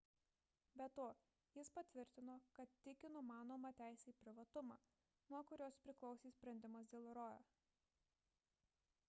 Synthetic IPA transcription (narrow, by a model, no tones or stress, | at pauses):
bʲɛt̪oː | jɪspɐt̪ʲʋʲɪɾʲt̪ʲɪnoːkɐt̪ːʲɪkʲɪnʊmɑːnoːmɑːt̪ʲæɪsʲɛiːpʲɾʲɪʋɐt̪ʊmɑː | nuɔkʊɾʲoːspʲɾʲɪklˠɒʊsʲiːsʲpʲɾʲɛnʲd̪ʲɪmɐs̬d̪ʲeːlˠɾoːjo̰ː